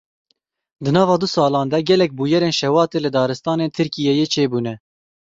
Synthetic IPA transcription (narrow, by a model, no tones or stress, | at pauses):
d̪ɨnɑːvɑːd̪usɑːlɑːnd̪ɛɡɛlɛk̚buːjɛɾeːnʃɛwɑːt̪eːlɨd̪ɑːɾɨst̪ɑːneːnt̪ʰɨɾkijɛjeːt͡ʃʰeːbuːnɛ